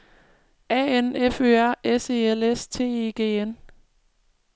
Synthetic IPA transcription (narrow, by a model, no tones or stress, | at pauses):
ɛ̰eneføæɐ̰ese̝ːelest͡sʰe̝̰ːe̝ɡ̥e̝̰ːen